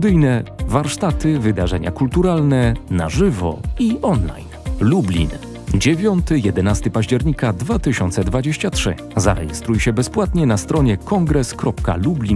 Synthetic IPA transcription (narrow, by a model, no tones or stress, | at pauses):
d̪ɘjnɛvaɾʂt̪at̪ɘvɘd̪aʐɛɲa̰kult̪uɾalnɛnaʐɘvɔ̰iɔnla̰jnlublʲḭn | d͡ʑevʲjɔnt̪ɘjɛd̪ɛnast̪ɘpaʑd͡ʑɛɾɲikad̪vat̪ɘɕɔnt̪sɛd̪vad͡ʑeɕt͡ɕatʂɘ̰ | za̰ɾɛ̰jɛst̪ɾujɕɛbɛspwat̪ɲɛnast̪ɾɔɲɛkɔŋɡɾɛskɾɔpka̰lublʲin